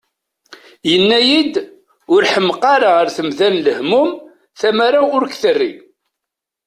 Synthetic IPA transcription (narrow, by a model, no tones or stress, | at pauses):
jənːæjid̪ | ʊɾħəmqɑɾaʁəɾθəmðænləhmʊm | θæmaɾaʊɾkθərːi